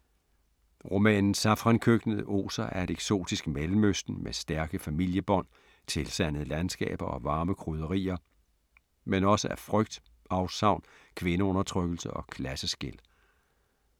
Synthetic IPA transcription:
ʁo̝mɛ̰ːnn̩sɑfʁɑnkʰøɡ̥nəð̩ˠəʔo̝̰ːsɐʔæɐed̥eɡ̥so̝̰ːd̥isɡ̥melm̩øsd̥n̩mʔesd̥æɐɡ̥əfæmil̰jəb̥ɒ̽n̰ | t͡sʰe̝lsæn̰əðˠəlænsɡ̥ɛ̰ːb̥ɐɒ̽ʋɑ̈ːməkʰʁuð̞ˠɐʁḭːɐ | menɒ̽səæɐfʁœɡ̥̚d̥ | ɑ̈ʊsɑ̈ʊ̰nkʰʋe̝nəɔ̽nɐt͡sʰʁœɡ̥l̩səɒ̽kʰlæsəsɡ̥e̝l

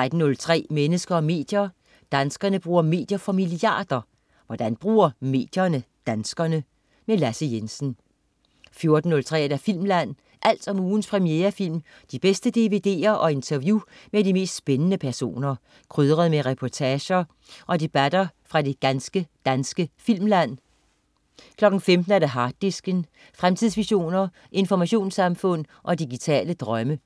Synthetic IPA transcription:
t͡sʁad̥n̩ːɔ̽lt͡sʰʁɛ̰ːmenəsɡ̥ɐɒ̽me̝̰ːd̥jɐ | d̥ænsɡ̥ɐnəb̥ʁuːɐme̝̰ːd̥jɐfɒ̽miliɑ̰̈ːd̥ɐ | ʋɒd̥ænb̥ʁṵːɐme̝̰ːd̥jɐnəd̥ænsɡ̥ɐnə | melæsəjensn̩ | fjo̝ɐd̥n̩ːɔ̽lt͡sʰʁɛ̰ːedæɐfil̰mlæn̰ | ʔæl̰d̥ɒ̽muːn̩spʰʁɛmieːɐfil̰m | d̥ib̥esd̥əd̥e̝ʋe̝d̥e̝̰ːɐʔɒ̽e̝nt͡sʰɐʋjumedime̝̰ːsd̥sb̥enənəpʰæɐso̝̰ːnɐ | kʰʁøð̞ˠʁɐðˠmeʁɛpʰɒt͡sʰɛːɕɐ | ʔɒ̽d̥e̝b̥æd̥ɐfʁɑ̈de̝ɡ̥ænsɡ̥əd̥ænsɡ̥əfil̰mlæn̰ | kʰlɒ̽ɡ̥n̩femd̥n̩æɐd̥eɦɑ̈ːd̥ːisɡ̥ən | fʁamt͡sʰið̞̰ˠsʋiɕo̝̰ːnɐ | ʔe̝nfɒmæɕo̝̰ːnsɑ̈mfɔ̽n̰ʔɒ̽d̥iɡit͡sʰɛ̰ːləd̥ʁɶmə

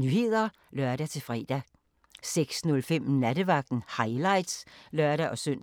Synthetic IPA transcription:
nyːhe̝ð̰ˠɐ | lœɐɾ̥æt͡sʰe̝lfʁɛ̰ːd̥æ | seɡ̥snɔ̽lfem̰næd̥əʋɑ̈ɡ̥̚d̥n̩hɑ̈ɪlɑ̈ɪ̰d̥slœɐɾ̥æʔɒ̽søn̰

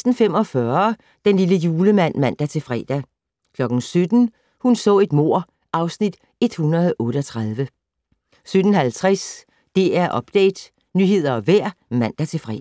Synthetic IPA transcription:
sd̥n̩fem̰ɒ̽fɶɐ | d̥enliləjuːləmæn̰mæn̰d̥æt͡sʰe̝fʁɛ̰ːd̥æ | kʰlɒ̽ɡ̥n̩sød̥n̩ | hunsɔ̰ːe̝d̥mo̝ɐ̰ | ʔɑ̈ʊsnid̥ | e̝d̥hunɐð̞ˠʔɔ̽ːɾəɒ̽t͡sʰʁɑð̞ˠʋə | sød̥n̩hælt͡sʰʁas | d̥e̝æɐʔɒ̽b̥̚d̥ɛ̰ːd̥ | nyːɦe̝ð̞̰ˠɐɒ̽ʋæɐ̰ | mæn̰d̥æt͡sʰe̝fʁɛ̰

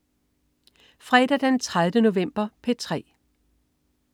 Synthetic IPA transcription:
fʁɛːd̥æd̥ent͡sʰʁaðˠəno̝ʋem̰b̥ɐpʰe̝t͡sʰʁɛ̰ː

